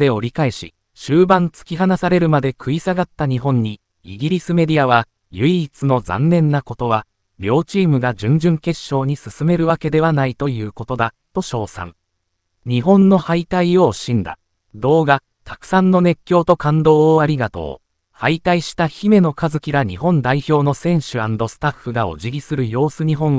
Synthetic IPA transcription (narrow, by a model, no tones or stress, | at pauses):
d̪e̞o̞ɾʲikae̞ɕḭ | ɕɨːbãnt͡sɨ̥kʲiɦanasaɾe̞ɾɯ̟mad̪e̞kʰɯ̟isaɡat̪ːaɲ̟iɦõ̞ɲ̟ːi | iɡʲiɾʲisɨme̞d̪ʲiaβ̞a | jɯ̟it͡sɨno̞d͡zã̰nːẽ̞nːako̞t̪o̞βa | bʲo̞ːt͡ɕiːmɯ̟ɡad͡ʑɨ̃ɲ̟d͡ʑɨ̃ŋke̞ɕːo̞ːɲ̟isɨsɨme̞ɾɯ̟βake̞d̪e̞β̞anait̪o̞jɯ̟ːko̞t̪o̞d̪at̪o̞ɕo̞ːsã̰ŋ | ɲ̟iɦõ̞nːo̞hait̪aio̞ɕĩnd̪a̰ | d̪o̞ːɡa | t̪ḁkɯ̟̥sãnːo̞ne̞kʲːjo̞ːt̪o̞kãnd̪o̞ːaɾʲiɡat̪o̞̰ː | hait̪aiɕi̥t̪açime̞no̞kazɨkʲiɡaɲ̟ihõ̞nd̪aiço̞ːno̞sẽ̞ɰ̃ɕɨãnd̪o̞sɨ̥t̪aɸːɯ̟ɡao̞̰ʑiɡʲisɨɾɯ̟jo̞ːsɨɲ̟iɦõ̞ɰ̃